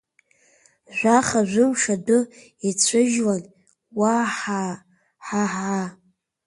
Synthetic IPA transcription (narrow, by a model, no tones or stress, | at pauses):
ʒʷaχaʒʷʊmʂadɨ | it͡sʷʰɨʒwan | waħ | ħaħa